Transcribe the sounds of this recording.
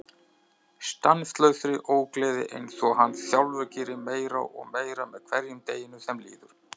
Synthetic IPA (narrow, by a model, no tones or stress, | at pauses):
st̪anst̪lœɥθɾɪʔoːwklɛːðɪ̰ʔḛjnsɔɦanːsjawlvœcɪɾɪmeːjɾa̰ʔɔ̰ɣmeːjɾamɛð̥kʰvɛɾjʏmt̪eːjɪnʏsɛmlḭːðʏɾ̥